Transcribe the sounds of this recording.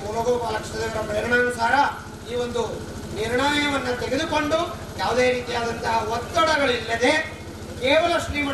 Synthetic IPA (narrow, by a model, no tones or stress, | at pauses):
ulɐɡoːpaːkʂʰɐt̪ɐd̪eʋɐɾɐpɾɐɾɳaːɐnɐsaːɾɐ | iːʋo̞nd̪u | niɾɳaːjɐʋɐnːɐt̪eɡed̪uko̞ɳɖu | jaːʋud̪e̞ːɾiːt̪ijaːd̪ɐnt̪ɐɦɐot̪ːɐɽɐɡɐɭilːɐd̪e̞ | keːʋɐlɐʂɾiːmɐ